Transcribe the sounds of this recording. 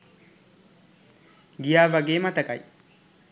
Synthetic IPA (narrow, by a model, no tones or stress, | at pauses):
ɡɪjaːvɐɡeːmɐt̪ɐkʼɐ̰j